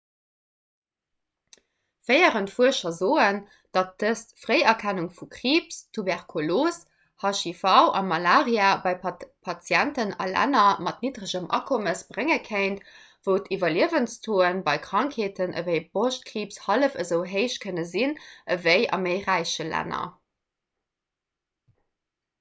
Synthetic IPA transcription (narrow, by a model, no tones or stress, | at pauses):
fəɪəʁəntfuəʃɐzoːən | d̥ɑt̚d̥əstfʁeɪɐkʰænuŋfukχiːpstʰubɛʁkʰoloːs | hɑʃifɑʊʔɑ̰mɑlaːʁjaːbɑɪpʰɑt͡sjæntənɑ̰læ̰nɐmɑtnidʁəʑəmʔɑ̰kʰoməsb̥ʁeŋəkʰəɪnt | v̥əʊtʰivɐliəvənstʰoːənbɑɪkχɑŋkʰheːtʰənʔə̰vəɪb̥oʃt̚kʀiːpshɑləfəzəʊɦəɪʃ̚kʰənəzinʔəvəɪʔɑ̰məɪʁæɪʃəlæ̰nɐ̰